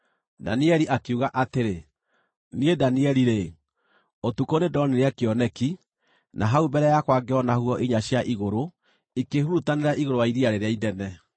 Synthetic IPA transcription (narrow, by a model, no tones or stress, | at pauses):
da̰niɛɾiʔakeuɣaʔateɾe | niedaniɛɾiɾe | otukonedɔniɾeakeɔnɛki | nʔaɦaubɛɾɛjakwaɡeɔnahuɔʔiɲaɕjaʔiɣoɾo | ikehuɾutaneɾaʔiɣoɾoaiðiaɾeɾeaiðɛnɛ